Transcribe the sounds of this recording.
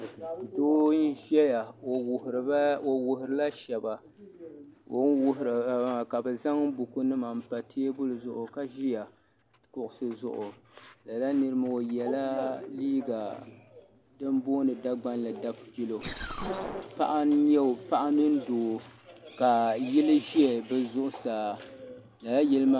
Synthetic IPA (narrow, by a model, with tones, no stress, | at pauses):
doː˦n̩˦ʒɛ˦ja˨hɾo˨wʊ˨ɦʊ˨ɾɨ˨la˦ʃɛ˨ba˨ | wo˦nwʊ˦hɾa˨˦a˨ka˨bɛ˨za˦ŋ˦bʊ˨ku˦nɨ˦ma˨m̩˦pa˨tʰe˦bʊ˦lɨ˨zʊ˨ʔʊ˨ka˦ʒi˦ja˨kʊ˨ʔʊ˨sɨ˨zʊ̰˨ʔʊ˨la˨la˦nɨ˦ɾɨ˦ma˨o˨jɛ˨la˦liː˦ɡa˨ | dɨ˦m˦boː˦nɨ˨da˦ɡ͡ba˦nla˨da˦ppi˦lo˨ | pa̰˦ʔa˦ɲɛ˦˨pa˦ʔa˦nɨ˦n˦doː˨ | ka˨ji˦lɨ˦ʒi˦ɛ˨bɛ˦zʊ˦ʔʊ˦saː˨ | la˨la˦jɛ˦lɨ˦ma˦